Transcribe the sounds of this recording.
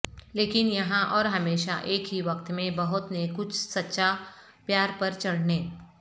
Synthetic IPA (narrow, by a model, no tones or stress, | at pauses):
leːkɪnjɐɦãʔɔːɾɦɐmeːʃa̰ʔeːkɦiʋɐkt̪mẽbɐɦʊt̪nekʊt͡ʃʰsɐtːʃa | pjaːɾpɐɾt͡ʃɐɽneː